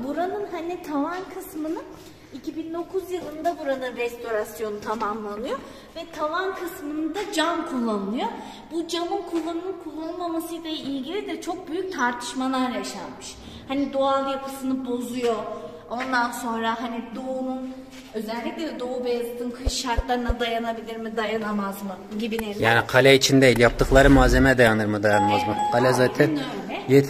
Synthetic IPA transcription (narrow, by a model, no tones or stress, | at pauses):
buɾanɯnhanit̪ʰavankʰɯsmɯnɯ | icʰibind̪o̞kʰuzjɯlˠɯnd̪abuɾanɯnɾɛst̪ʰo̞ɾasjo̞nut̪ʰamamlˠanɯjo | vɛt̪ʰavankʰɯsmɯnɯd̪ad͡ʒankʰulˠːanɯnˠɯjo | bud͡ʒamɯnkʰulˠːanɯmɯkʰulˠːanɯmamasɯjlʲˠailʲɟilʲid̪ɛt͡ʃʰo̞k̚byjyc̚t̪ʰaɾt̪ʰɯ̥ʃmalˠaɾjaʃa̰nmɯʃ | hanid̪o̞alˠjapʰɯsɯnɯbo̞zujo̞ | o̞nd̪anso̞nɾaɦanid̪ounun | ø̞zɛlʲːicʲlʲɛd̪o̞ubejazt̪ʰɯmkʰɯʃʃaɾt̪lˠaɾɯnad̪ajanabilʲiɾmid̪ajanamazmɯɟibinejaːnikʰalʲɛit͡ʃʰind̪eilʲjap̚t̪ʰɯklˠaɾɯmuaːzemɛd̪ajanɯɾmɯd̪ajanmazmɯkʰalʲɛzaːt̪ʰɛnøjlʲɛjɛ